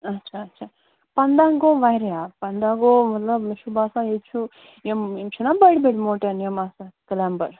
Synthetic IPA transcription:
ɐtːt͡ʃʰaɐtːt͡ʃʰa | pɐnd̪aŋɡoːʋajɾejaːpɐnd̪aːɡomɐt̪lɐbʃubaːsãet͡ʃʰu | jememt͡ʃʰunabɐɽbeʈmoːʈanjemaːsakɐlambɐɾ

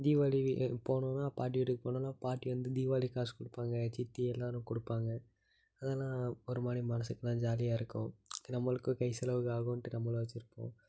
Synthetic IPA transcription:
d̪iːʋaːlipoːɳʊ̃naːpaːʈ̬iʋɪʈːɯkːɯpoːɳõnːaːpaːʈːiʋɐnd̪ɯd̪iːʋaːlikaːskʊɽɯpːaːŋɡɐt͡ʃɪt̪ːiɛlːaːɾʊ̃kʊɽɯpːaːŋɡɐ | ɐðaːlãːɔɾɯmaːnimɐnɐsɯkːɐlãːd͡ʒaːlɪjaːɪɾɯkːʊ̃ɪnɐmːɐɭɯkːɯ̃kɐɪsɐlɐʋɯkaːɣʊ̃ʈːɯnɐmːɐloːʋɐt͡ʃːɪɾɯpːõ̰ː

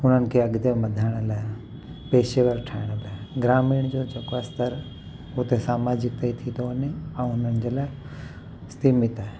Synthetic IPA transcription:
ʊn̤ənɪ̆kʰeɐɠd̪emɐd̪ʱaːɪɽ̃laː | peːʃeʋəɾʈʰaːɪɽ̃baːɡɾaːmiːɽ̃d͡ʑod͡ʑeːkoast̪ɐɾ | ʊt̪esaːmaːd͡ʑɪk̚t̪ɐit̪ʰĩnoəneɛ̃ːʊnənɪ̆d͡ʑeːlaː | st̪iːmɪt̪aːɦe

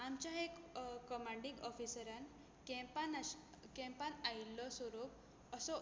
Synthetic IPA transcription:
amt͡ɕjaɦekkɔmaɳɖiŋɡɔfisəɾan | kɛ̃mpan | kɛ̃mpanailːɔsʋɔɾop | əsɔ

